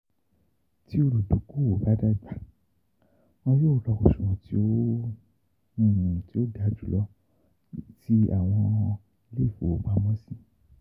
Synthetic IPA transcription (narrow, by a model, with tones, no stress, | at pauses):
ti˦o˧lu˨du˨˦ku˦wo˨˦ba˦da˦i˨ba˨ | ɔ̃˧jo˦˧lɔ˧ko˨ʃũ˨ũ˨ti˧˦o˦ | nĩ˦˧˨nũ˧˨ti˦o˦da˧d͡ʒu˨lɔ˦ | ti˦a̰˦˨w̃ɔ̃˧ | le˦˨fo˨o˨˦ɡ͡ba˧mɔ̃˦sĩ˦